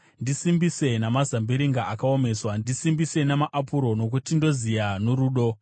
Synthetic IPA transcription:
ndisimbise̞namazambiɾiŋɡaʔakao̞me̞swandisimbise̞namaʔapuɾo̞no̞k̬utindo̞zijanoɾuːɗo̞

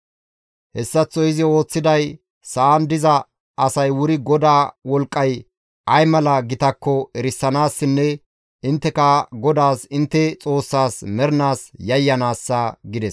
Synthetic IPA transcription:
hɛsːɐt͡sːɔjɪzɪo̞ːt͡sːɪd̪ɐj | sɐːnd̪ɪzɐ | ɐsɐjwʊɾɪɡɔd̪aːwɔlkʼːɐj | ɐjmɐlɐɡɪt̪ɐkːɔɛɾɪsːɐnaːsːɪnːɛ | ɪnt̪ːɛkɐɡɔd̪aːsɪnt̪ːɛt͡sʼo̞ːsːaːsmɛɾnaːsjɐjːɐnaːsːɐɡɪd̪ɛs

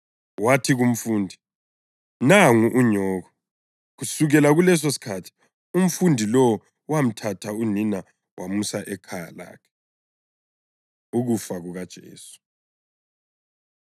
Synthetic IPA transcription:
watʰiɣum̩fuːndʱi | naŋuʔuɲɔːɣɔ | ɣusuɣɛlaɣulɛs̬osi̥kʰatʰi̥ | um̩fundʱilɔw | wam̩tʰatʰaunina | wʔamusaʔɛkʰaja̰la̰ːkʰɛ̥ | uɣufaɣuɣad̥ʒ̥ʱḛːsu̥

